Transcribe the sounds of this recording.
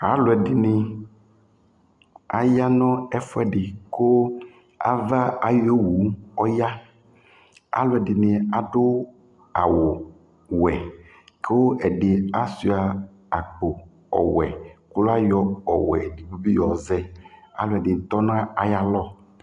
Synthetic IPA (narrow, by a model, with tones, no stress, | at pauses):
a˨˦lʊ˨ɛ˨dɪ˨nɪ˨ | a˨ja˦nɔ̃˦ɛ˦fɛ˨ɖɪ˨ko˦ | a̰˦va˦a˨jo˦wu˨˦ɔ˦ja˦ | a̰˦lʊ˨ɛ˨dɪ˨nɪ˨a˨ɖʊ˦ | a̰˨wo˨ | wɛ˨ | ke˦wo˦ʔɛ˨ɖɪ˨a˦su˦a˨ | a˨k͡po˨ | ɔ̰˨wɛ̰˨ko˦la˦jɔ˦ɔ˨wɛ̰˨di˨bu˦bi˦jɔ˨zɛ˦a̰˦lo˨ɛ˨dɪ˨t̪ɔ˦nã˦a˦ja˦lɔ˦